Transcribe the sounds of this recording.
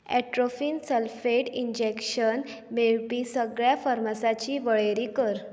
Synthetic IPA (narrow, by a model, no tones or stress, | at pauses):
ɛʈɾofiːnsəlfeʈiɲd͡ʑekɕən | meɭpiːsəɡɭjafəɾmasat͡ɕiːʋəɭeɾiːkəɾ